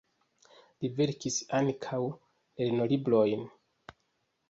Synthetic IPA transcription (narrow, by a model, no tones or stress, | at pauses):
live̞ɾkisankʰaw | elnolibɾo̞jn